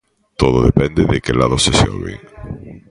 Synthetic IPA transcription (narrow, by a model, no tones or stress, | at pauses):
t̪oðoðepɛnd̪eðekelaðoseseo̰βḛŋ